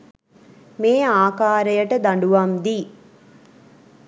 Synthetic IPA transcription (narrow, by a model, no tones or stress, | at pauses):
meːaːkaːɾəjəʈəd̪aɳɖuʋamd̪iː